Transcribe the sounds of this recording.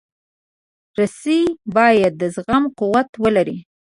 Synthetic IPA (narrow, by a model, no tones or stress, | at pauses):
ɾasibɑjad̪ːəzɣamquwat̪wəlaɾi